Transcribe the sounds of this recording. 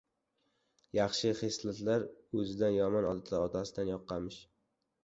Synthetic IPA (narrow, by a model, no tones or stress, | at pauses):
jɑχʃɪχeslˠɪt̪laɾɵzɪd̪anjɒmɒnɒd̪at̪ʰlaɾɒt̪ʰasɪd̪anjɒqːɑmɪʃ